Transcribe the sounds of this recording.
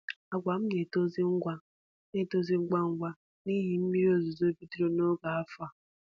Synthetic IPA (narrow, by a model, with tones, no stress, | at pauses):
a˨ɡʷa˨m̩˦ne˨to˦zi˦ŋ̩˦ɡʷa˦ | ne˦to˦zi˦ŋ̩˦ɡa˦ŋ̩˦ɡʷa˦ | ni˦ɦi˨m̩˦mi˦ɾo˦zo˨zo˦bi˦ti˦ɾo˦no˦ɡa˨a˦fa˨